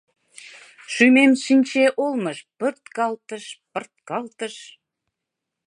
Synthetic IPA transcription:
ʃymemʃinʲt͡ɕeʔolməʃpərt̪kɑlt̪əʃpərt̪̚kɑlt̪əʃ

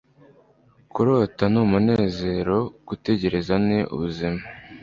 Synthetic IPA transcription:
kuɾoːtanuːmune̞ːze̞ɾo̞ɡ̥ute̞ɟe̞ɾe̞zaneʔṵβuzima

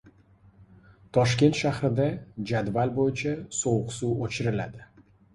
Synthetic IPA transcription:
t̪ʰɒʃkʲe̞nt̪ʃahɾɪd̪ad͡ʒad̪valbojɪt͡ʃʰasowqsuːot͡ʃʰɪɾɪlad̪ɪ

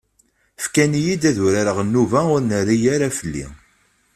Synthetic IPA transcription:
fkænijid̪æðuɾaɾəʁənːuvæʊɾnəɾijaɾafəlːḭ

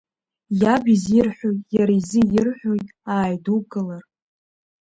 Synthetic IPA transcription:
jabizirħʷᶣojtjaɾaizɨjɪrħʷᶣojtʼaːjduɡʼɨlar

